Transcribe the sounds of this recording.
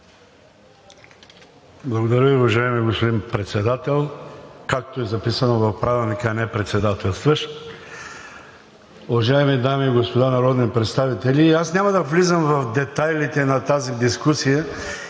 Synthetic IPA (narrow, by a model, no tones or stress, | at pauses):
blˠɐɡod̪ɐɾəviʊvɐʒaɛmiɡospod̪inpɾɛt̪sɛd̪at̪ɛlˠkakt̪oɛzɐpisɐnovɐfpɾavɛlˠnikəɐnɛpɾɛt̪sɛd̪at̪ɛlˠst̪vəʃ | ʊvɐʒaɛmid̪amiːɡospod̪anɐɾɔd̪nipɾɛt̪st̪avit̪ɛlʲiːasnʲamɐd̪ɐvlizəmvɐfd̪ɛt̪ajlit̪ɛnɐt̪azid̪iskusijə